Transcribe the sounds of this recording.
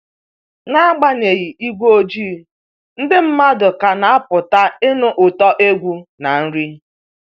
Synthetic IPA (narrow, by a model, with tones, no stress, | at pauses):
ŋa˦a˦ɡ͡ba˦ne˨ɣi˨i˦ɡʷo˦o˦d͡ʒiː˦˨ | n̩˦dɪ˦m̩˦ma˦dʊ˨ka˨na˨a˦pʊ˨ta˦e˦nʊ˦ʔʊ˨tɔ˦ʔe˦ɡʷu˦na˨n̩˦ɾi˦